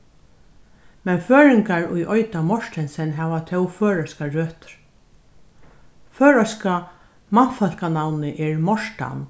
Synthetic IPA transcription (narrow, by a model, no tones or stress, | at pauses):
mɛnføːɹɪŋkaɹʊjʔɔjt̪amɔʂʈ̪ɛnsɛnɦɛʋat̪ʰɛwføːɹɔskaɹøːt̪ɾ | føːɹaska | manfal̥kanawnɪʔɛɹmɔʂta̰n